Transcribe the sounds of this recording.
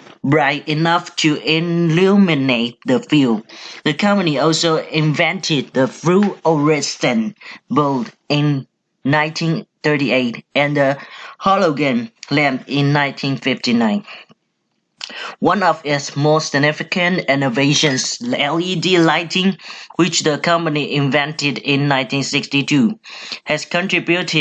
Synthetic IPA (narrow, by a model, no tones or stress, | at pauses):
bɹaɪtinaftʰuɪlumɪnet̚dəfildəkʰʌ̃mpəniɔlsoɪ̃nvɛ̃ntʰɪd̚ðəfɹuɔɹɛstə̃nbold | ɪ̃nː | ãɪ̃ntʰĩnθətieɪtɛ̃ndəhɔloɡə̃nlɛ̃mpɪ̃nːãɪ̃ntʰĩnfɪftinãɪ̃n | wãnɔfɪsmɔsɪɡ̚nɪfɪkə̃nɛnoveʃə̃nsɛlidilaɪtʰɪ̃ŋwɪt͡ʃdəkʰʌ̃mpəniʔɪ̃nvɛ̃ntɪdɪ̃nːãɪ̃ntĩnsɪkstitʰuhɛskɔ̃ntɹibjutʰɪ